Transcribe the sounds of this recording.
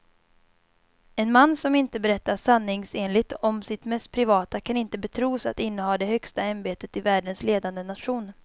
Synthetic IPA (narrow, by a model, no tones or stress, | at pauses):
ɛnmanːsɔmɪnt̪əbɛɾɛt̪ːaʂanːɪŋseːnlɪɡt̪ɔmsɪt̪mɛst̪̚pʰɾɪvɑːt̪akʰanɪnt̪əbɛt̪ʰɾuːsa̰t̪ɪnːəhɑːd̪ɛhœkst̪aanbeːt̪ət̪ɪvæːɖənsleːd̪and̪ənat̪ɧuːn